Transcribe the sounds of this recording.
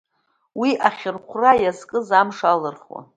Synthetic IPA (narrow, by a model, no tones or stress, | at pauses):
wiʔaχʲɪrqʷʰrajazkʼɨzamʂalɨrχwa̰